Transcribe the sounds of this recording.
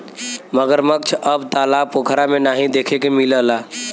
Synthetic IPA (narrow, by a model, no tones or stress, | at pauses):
məɡəɾmək̚t͡ʃʰəbt̪aːlapokʰəɾamenaːɦĩd̪ekʰekemiləla